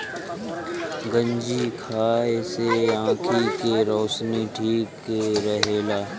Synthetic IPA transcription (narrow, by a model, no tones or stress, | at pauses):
ɡə̃ɲd͡ʒikʰaːeseãːkʰikeɾɔːʃniʈʰiːkːeɾəɦeːlaː